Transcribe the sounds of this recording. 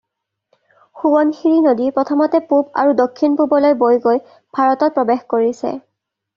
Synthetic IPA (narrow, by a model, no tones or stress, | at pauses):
xuwɔnxiɹinodipɹɔtʰɔmɔtɛpuba̰ɹudokʰːinpubɔlojbojɡoj | b̥ʱaɹɔtɔt̚pɹɔbexkoɹisɛ̰